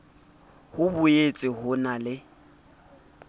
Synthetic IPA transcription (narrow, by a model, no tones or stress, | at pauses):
hʊbʊet͡sʼɪhʊnalɪ